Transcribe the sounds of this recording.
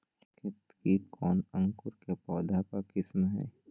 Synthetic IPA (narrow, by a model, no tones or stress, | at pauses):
kʰɪt̪kikʰɔːnə̃ŋkʊɾkepɔːd̪akakɪsmɦɛ̰ː